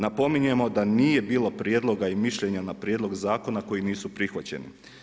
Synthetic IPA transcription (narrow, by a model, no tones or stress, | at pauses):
napo̞miɲuje̞mo̞d̪aniːje̞biːlˠo̞pɾjed̪lˠo̞ɡaimiʃʎe̞ɲanapɾjed̪lˠo̞ɡzaːko̞nako̞jiniːsupɾixʋat͡ɕe̞̰nḭ